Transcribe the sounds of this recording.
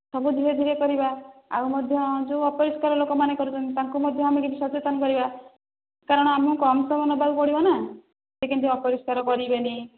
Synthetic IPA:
sɔbud̪ʱiɾed̪ʱiɾekɔɾibaa̰umɔd̪ʱjɔd͡ʒuɔpɔɾiskaɾɔlokɔmanekɔɾut͡ʃʰɔnt̪it̪aŋkumɔd̪ʱjɔamekit͡ʃʰisɔt͡ʃet̪ɔnɔkɔɾiba | kaɾɔɽ̃ɔamɔ̃kɔmsɔmɔnɔbʱabpɔɽibɔna | sekint̪ʰeɔpɔɾiskaɾɔkɔɾibeni

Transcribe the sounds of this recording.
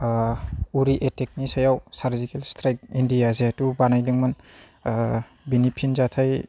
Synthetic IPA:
uɾiʔetek̚nisajawsaɾzikelstʰɾajk̚indijazetubanajdiŋman | binipʰinzatʰaj

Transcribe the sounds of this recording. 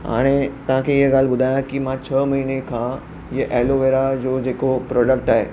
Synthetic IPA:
ɦa̰ːɽ̃et̪ɐʋ̤ãkʰẽiɦəɡaːl̤bʊd̪ʱaːjãkimãt͡ɕʰəmɐɦinekʰã | jʔeːloʋeːɾad͡ʑoːd͡ʑeːkopɾɔːɖək̚ʈaːɦḛː

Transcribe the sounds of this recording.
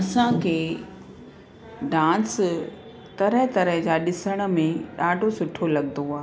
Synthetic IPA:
ɐsãkʰeː | ɖãːns | t̪ɐɾəɦt̪ɐɾəɦd͡ʑaːɗɪsəɽ̃ə̆mẽɗaːɖʱosʊʈʰolɐɠnd̪oaː

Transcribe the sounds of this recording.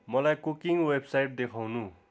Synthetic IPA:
mʌlajkukiŋwebsajʈ̚d̪ekʰawnu

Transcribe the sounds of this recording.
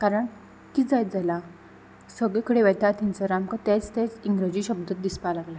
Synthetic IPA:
kaɾəɳ | kiːd͡zajt̪̚d͡zala | səɡɭekʰəɽeʋɛt̪at̪ĩnt͡səɾamkət̪et͡st̪et͡siŋɡɾəd͡ʑiːɕəb̚d̪ət̪̚d̪ispalaɡla

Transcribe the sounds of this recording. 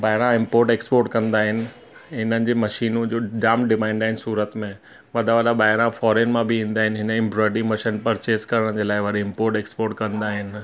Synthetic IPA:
baːɪɾãɪ̃mpoːɾʈeːkspoːɾʈkɐ̃nd̪aːɦɪnɪ̆ | ɦɪnənɪ̆d͡ʑeːmɐʃiːnũd͡ʑoːɖaːmʈɖɪmãɪ̃nd̪aːɦɪnɪ̆suːɾət̪mẽ | ʋɐd̪ʱaʋɐd̪aɓaːɪɾãfɔːɾeːnmãbɪĩːnd̪aːɦɪnɪɦɪnəɪ̃mbɾɔːɪɖĩmɐʃinpɐɾt͡ɕeːskɐɾəɽ̃d͡ʑeːlaːɪʋɐɗiɪ̃mpoːɾʈeːkspoːɾʈ̚kɐ̃nd̪aːɦɪnɪ̆

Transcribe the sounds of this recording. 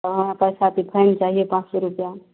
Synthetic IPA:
ɦəmapəjsat̪ʰipʰəjnt͡ʃaɦijepãt͡ʃsɔɾupja

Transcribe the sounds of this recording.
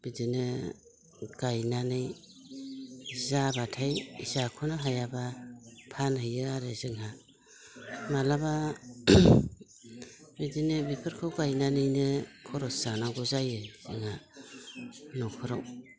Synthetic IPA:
b̥idinɯ | ɡajnanɯj | zabatʰajizakʰɔnaɦajabapʰanhɯjɯaɾɯzɯŋɦa | malaba | bidinɯbipʰɯɾkʰawɡajnanɯjnɯkʰɔɾɔsanaɡɔzajɯzɯŋha | nɔkʰɔɾa̰w

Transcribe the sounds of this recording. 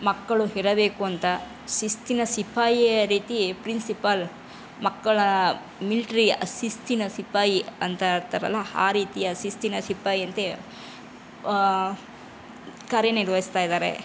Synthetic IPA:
mɐkːɐɭuɦiɾɐbe̞ːkuɐnt̪ɐ | sist̪inɐsipaːjijɐɾiːt̪ipɾinsipɐl | mɐkːɐɭɐ | miliʈɐɾiɐsist̪inɐsipaːjiɐnt̪ɐt̪ɐɾɐ̰lːɐa̰ːɾiːt̪ijɐsist̪inɐsipaːjiɐnt̪e | kaːɾjɐniɾʋɐɦist̪aːjid̪aːɾḛ

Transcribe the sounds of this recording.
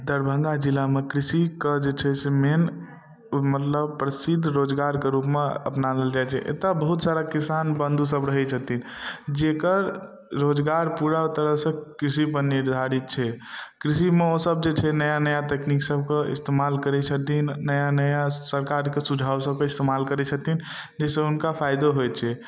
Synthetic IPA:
d̪əɾbʱəŋɡad͡ʒilamekɾisiked͡ʒet͡ʃʰɛsemen | mət̪ləb̚pɾəsid̪ʱːɾod͡ʒɡaɾkeɾupmeə̰pnaleld͡ʒajt͡ʃʰɛ̰ʔḛt̪abəɦut̪saɾakisanbə̃nd̪ʱusəbɾəɦɛt͡ʃʰət̪ind͡ʒekəɾ | ɾod͡ʒɡaɾpuɾat̪əɾəɦsə̃kɾisipəniɾd̪ʱaɾit̪̚t͡ʃʰɛkɾisimeosəb̚d͡ʒet͡ʃʰɛnəjanəjat̪ekniksəbʱkeḭst̪emalkəɾɛt͡ʃʰət̪inːəjanəjasəɾkaɾkesud͡ʒʱawsəb̚ʱkeist̪emalkəɾɛt͡ʃʰət̪in | d͡ʒesẽunkapʰajd̪oɦojt͡ʃʰɛ

